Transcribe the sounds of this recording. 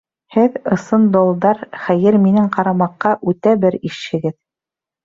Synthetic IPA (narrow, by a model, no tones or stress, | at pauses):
hɘðɤ̆sɤnd̪olˠd̪ɑɾχæjɘɾminɘŋqɑɾɑmɑqːɑʔʉt̪æbɘɾiʃhɘ̆ɡɘð